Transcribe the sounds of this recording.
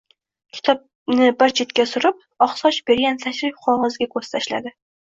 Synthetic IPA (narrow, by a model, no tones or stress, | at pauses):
kʲʰɪ̥t̪ʰɒp̚ | nɪbɪɾt͡ʃʰet̪kʲasʊɾɪp̚ | ɒχsɒʃbeɾɡʲansaʃɾɪk̚ʲqʰɒʁɒzɡʲakʰɵz̥t̪ʰaʃla̰d̪ɪ